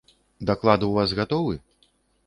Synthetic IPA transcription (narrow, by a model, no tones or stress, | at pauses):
d̪aklˠad̪ɨuvazɣat̪ɔvɨ